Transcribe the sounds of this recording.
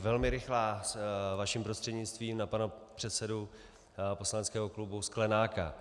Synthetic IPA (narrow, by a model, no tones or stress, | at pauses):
vɛlmɪɾɪxlaːsvaʃimpɾost̪r̥ɛdɲɪt͡st̪viːmnapanapr̥ɛt̪sɛdu | po̞slanɛt͡skɛːɦoklubusklɛnaːka̰